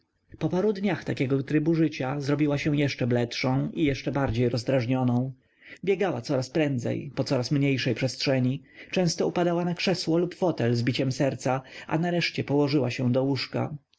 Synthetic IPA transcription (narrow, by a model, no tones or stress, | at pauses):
pɔpaɾud̪ɲaxt̪akʲɛɡɔt̪ɾɘbuʐɘt͡ɕazɾɔbʲiwaɕɛw̃jɛʂt͡ʂɛblɛtʂɔ̃w̃ʔijɛʂt͡ʂɛbaɾd͡ʑejɾɔzd̪ɾaʐɲɔnɔ̃w̃ | bʲjɛɡawat̪sɔɾaspɾɛnd̪zɛ̰jpɔt̪sɔɾasmɲejʂɛjpʂɛstʂɛɲi | t͡ʂɛ̃w̃st̪ɔupad̪awanakʂɛswɔlupfɔt̪ɛlzbʲit͡ɕɛmsɛɾt̪saʔa̰naɾɛʂt͡ɕɛpɔwɔʐɘwaɕɛ̃d̪ɔwuʂka̰